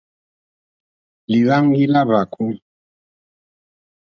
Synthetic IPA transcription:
li˨βa˦ŋ˦ɡi˦la˦βa˨kʰu˦ŋ

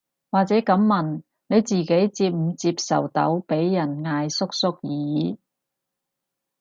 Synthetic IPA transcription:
waː˨k̚t͡sɛː˨˥kɐ˨˥mːɐ˨˩n | ne˨˧jt͡siː˨˩ke˨˥jt͡siː˧p̚m̩˨˧t͡siː˧p̚sɐ˨˩wt̪ɐ̰˨˥wpe˨˥jːɐ˨˩nŋaː˧jsʊ˥k̚sʊ˥k̚jiː˨˦

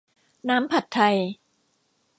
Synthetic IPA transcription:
naː˦˥mpʰa˨˩t̪ʰːa˧j

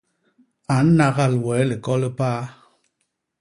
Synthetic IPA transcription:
a˨˦n̩˦na˦ɣa˦˨lwɛ˨˦li˨kɔ˦lɨ˦paː˦

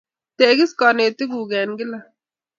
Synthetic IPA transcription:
t̪eː˨ɡi˦ska˨neː˨t̪i˦ɡuː˨ɡɛː˨nɡɪ˦la˨

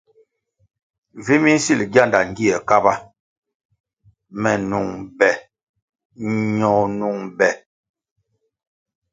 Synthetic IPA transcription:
vi˦mi˦n̩˦si˦˨lɡja˦˨nda˨ŋ˦ɡi˦ɛ˨ka˦ba˦ | mɛ˨nu˨ŋbɛ˨ | ɲɔ˨nu˨ŋbɛ˨

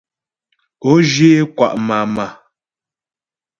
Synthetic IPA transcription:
o˦d͡ʒe˦kwa̰˨ʔma˨ma˨

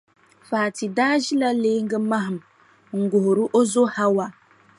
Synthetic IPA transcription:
faː˨ti˨daː˦d͡ʒi˦la˦leː˦ŋ̩˦ɡə˦ma˦ɦm˨ | ŋ̩˨ɡo˨hɾu˦ʔo˦zo˦ha˦wa˨

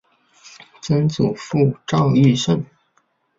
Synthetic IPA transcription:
t͡sə˥nt͡su˨˩fu˥˧ʈ͡ʂɑ˥˧ʊy˥˧ʂə˥˩n

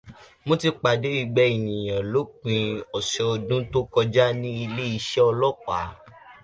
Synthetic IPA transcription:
mõ˦ti˧k͡pa˨d͡ʒo˨˦i˧ɡ͡bɛ˧˦i˨nĩ˨j̃ã˨lo˨˦k͡pĩ˧ɔ˨ʃɛ˧o˧dũ˦to˦kɔ˧d͡ʒa˦nĩ˦i˧le˦i˧ʃɛ˦ɔ˧lɔ˦˨k͡pa˨˦

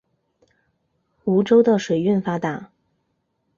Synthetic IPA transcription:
u˧˥ʈ͡ʂo˥ʊd̪ə˨ʂwe˨˩ɪy˥˩nfa˥t̪a˨˩˦

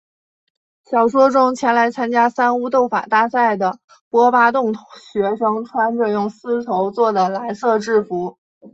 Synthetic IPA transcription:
ɕjɑ˨˩ʊʂwɔ˥ʈ͡ʂʊ˥ŋt͡ɕʰjɛ˧˥nla˧˥ɪt͡sʰa˥nt͡ɕja˥sa˥nu˥t̪o˥˩ʊfa̰˨˩t̪a˥˧sa˥˩ɪd̪ə˩ | pwɔ˥pa˥t̪̬ʊ˥˩ŋɕɥɛ˧˥ʂɤ˥ŋʈ͡ʂʰwa˥nʈ͡ʂɤ˥˧jʊ˥˩ŋsɹ̩˥t̪ʰo˧˥ʊt͡swɔ˥˩d̪ə˩la˧˥ɪsɤ˥˧ʈ͡ʂɻ̩˥˩fu˧˥

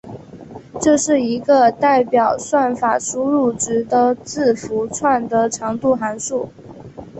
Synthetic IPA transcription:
ʈ͡ʂɤ˥˧ʂɻ̩˥˩i˧˥ɡə˧t̪a˥˩ɪpjɑ˨˩ʊswa˥˩nfa˨˩ʂu˥ɻu˥˩ʈ͡ʂɻ̩˧˥d̪ə˧t͡sɹ̩˥˩fu˧˥t͡sʰwa˥˩nd̪ə˩ʈ͡ʂʰɑ˧˥ŋt̪u˥˩xa˧˥nʂu˥˩

